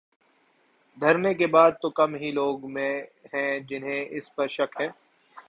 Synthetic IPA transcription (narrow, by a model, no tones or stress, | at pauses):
d̪ʱɐɾnekebaːd̪̚t̪okɐmɦiloːɡmẽɦɛ̃d͡ʒɪnɦẽʔɪspɐɾʃɐkɦɛ̃ː